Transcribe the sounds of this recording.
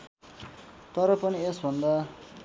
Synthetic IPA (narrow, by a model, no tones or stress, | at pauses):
t̪ʌɾʌpʌniesbʱʌnd̪a